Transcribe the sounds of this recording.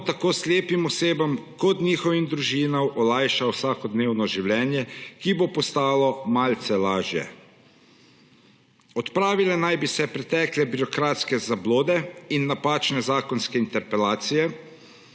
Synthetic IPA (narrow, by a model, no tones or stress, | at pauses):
t̪akoːslʲeːpimɔseːbamkɔt̪nʲiːxɔʋimd̪ɾuʒiːnawʔɔlajʃawsaːkɔd̪neːwnɔʒiwlʲjɛːnjɛkibopɔst̪aːlɔmalt̪sɛlaːʒjɛ̰ | ɔt̪pɾaːʋilɛnajbisɛpɾɛt̪ɛːklɛbiɾɔkɾaːt̪skɛzabloːd̪ɛinːapaːt͡ʃnɛzaːkɔnskɛint̪ɛɾpɛlaːt̪sijɛ